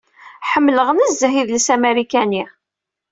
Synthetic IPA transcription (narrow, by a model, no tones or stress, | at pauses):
ħəmːləʁənəzːəɦiðləsæmeɾikæni